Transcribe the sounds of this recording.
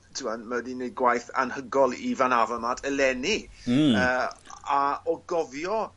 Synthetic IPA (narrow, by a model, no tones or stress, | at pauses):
tʰɪwanmədineɡwajθa̰nhəɡɔlˠivanavɔmadʰəlɛniəaɔɡɔvjɔ